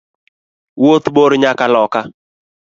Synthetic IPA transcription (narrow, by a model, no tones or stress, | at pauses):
wot̪boɾɲakalɔka